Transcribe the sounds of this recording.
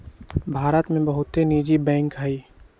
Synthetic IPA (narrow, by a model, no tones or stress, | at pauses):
bʱaːɾət̪mẽbɐɦʊt̪ɦeniːd͡ʒibɛ̃ːŋkɦaiː